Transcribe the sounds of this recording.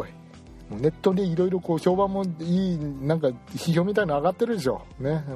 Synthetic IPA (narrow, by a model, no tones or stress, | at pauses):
i | moːne̞t̪ːo̞d̪eiɾo̞iɾo̞ko̞ːço̞ːbãmːo̞iːnãŋkaçiço̞ːmʲit̪ainaaɡat̪ːe̞ɾɯ̟d̪e̞ɕo̞̰ːne